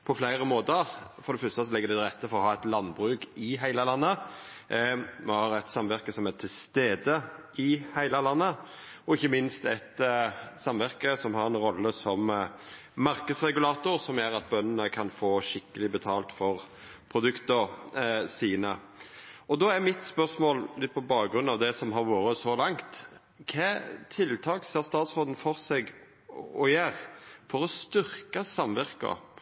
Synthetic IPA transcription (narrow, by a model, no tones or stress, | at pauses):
pʰɔflæɪʁəmoːt̪əɾfɔɾd̪ɛfœst̪əsɔlɪɡəd̪ɛd̪ɪʁɛt̪ːəfɔɾʁɔhɑːɛt̪lɑnːbɾʉːkɪɦæɪləlɑnːə | mɛhɑːɾɛt̪sɑmʋæʁkəsɔmæt̪ʰɪlst̪eːd̪ə | ɪhæɪləlɑnːə | ɔɪçːəmɪnst̪ɛt̪sɑmʋæʁkəsɔmhɑɾɛnɾɔlːəsɔm | mɑʁkəd̪sɾɛɡʉlɑːt̪ʊɾsɔmæɾɑt̪̚bœnənəkʰɑnfoːʃɪkːəlɪbət̪ʰɑːlt̪fɔʁ | pʰɾʊd̪ʉkt̪əɾsiːnə | ɔd̪ɔːɛmɪt̪spœʁsmoːllɪt̪̚ːpʰɔbɑːɡɡɾʉnːɑʋd̪ɛsɔmɦɑɾʋoːɾəsɔlɑŋt̪ | kʰɛːt̪ʰɪlt̪ʰɑːkseːʁst̪ɑːt̪sʁoːd̪n̩fɔʁsɛɡ | ɔjæːʁfɔɾɔst̪ʏɾkəsɑmʋæʁkɑ̰